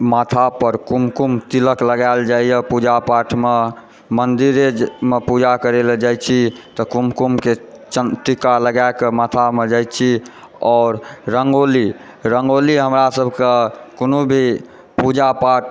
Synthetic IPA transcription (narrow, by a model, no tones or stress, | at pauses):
mat̪ʰapəɾkumkumt̪iləkləɡaeld͡ʒaijəpud͡ʒapaʈʰme | mənd̪iɾemepud͡ʒakəɾeld͡ʒajt͡ʃʰit̪ɔkumkumket͡ʃəʈikaləɡaekemat̪ʰamed͡ʒajt̪̚t͡ʃʰi | ɔːɾɾəŋɡoli | ɾəŋɡoliɦəmɾasəbʱkekonobʱi | pud͡ʒapaʈʰ